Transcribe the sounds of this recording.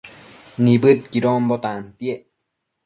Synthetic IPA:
nibɨt̪̚kiɾombot̪ant̪ieʔ

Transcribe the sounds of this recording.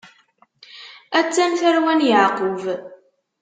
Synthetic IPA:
æt͡sːæmθæɾwænjəʕqʊv

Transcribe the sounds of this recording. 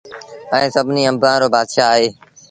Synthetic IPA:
ɛ̃ːsəbʱniːəmbʱãːɾoːbaːd̪ʃaːɦeː

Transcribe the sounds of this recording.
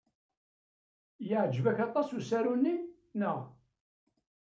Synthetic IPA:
jəʕd͡ʒvæçɑt̪ˤɑsusæɾunːi | nəʁ

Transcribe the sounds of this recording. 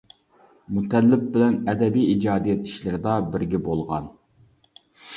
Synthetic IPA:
mut̪ʰɛlːɪp̚bɪlɛnɛd̪ɛbijid͡ʒɑːd̪ijɛt̪i̥ʃlɪɾɪd̪ɑbɪɾɡʲɛbolˠʁɑ̰n

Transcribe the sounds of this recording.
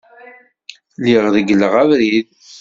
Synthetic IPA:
liʁðəɡələʁævɾið

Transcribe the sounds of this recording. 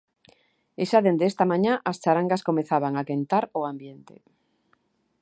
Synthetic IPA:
eʃaðend̪eest̪amãɲãʔast͡ʃaɾaŋɡaskomeθaβaŋakent̪aɾoambjent̪ḛ

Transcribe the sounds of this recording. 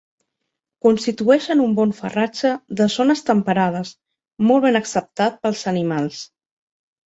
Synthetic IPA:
kunst̪it̪uɛʃənumbɔɱfə̰rad͡ʒəðəzonəst̪əmpəɾað̞əs | mɔlˠβenəksəp̚t̪at̪̚pəlˠzənimalˠs

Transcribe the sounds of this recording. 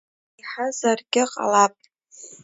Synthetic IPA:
iħazarɡʲɪqʼa̰lapʼ

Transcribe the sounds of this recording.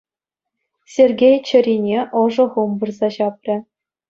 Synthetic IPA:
sʲerʲɡʲejt͡ɕɘ̆ɾʲinʲeʔɤ̆ʐɤ̆ʁumbɤrzɑɕɑp̚rʲɘ̆

